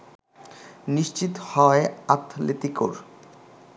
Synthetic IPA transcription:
niʃt͡ɕit̪ohɔeat̪ʰːlet̪iko̰ɾ

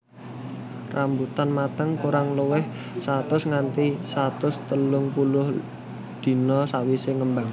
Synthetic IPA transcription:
rʔambut̪anmat̪əŋkuɾaŋluwɪh | sat̪ʊsŋant̪isat̪ʊst̪əlʊŋpulʊh | d̪̥i̤nɔsawiseŋəmbaŋ

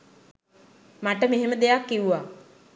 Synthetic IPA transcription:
maʈəmeɦeməd̪ejakːiʋuʋa

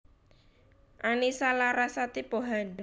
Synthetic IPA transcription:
ʔanisalaɾasat̪ipoɦand

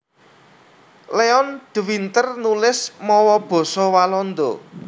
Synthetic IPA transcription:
leɔnd̪̥wint̪ərnulɪsmɔwɔb̥ɔ̤sɔwalɔnd̪o

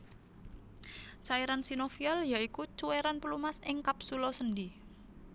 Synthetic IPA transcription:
t͡ʃaiɾansinofiɔljaikut͡ʃuweɾanpəlumasɪŋkapsulɔsəndi

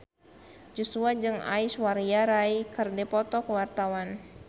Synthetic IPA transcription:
d͡ʒusuad͡ʒɨŋa̰iswaɾiaɾaikɨrdɛpɔt̪ɔkwart̪awan

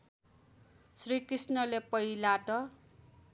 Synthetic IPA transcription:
srikrisnʌlepʌjlaʈʌ

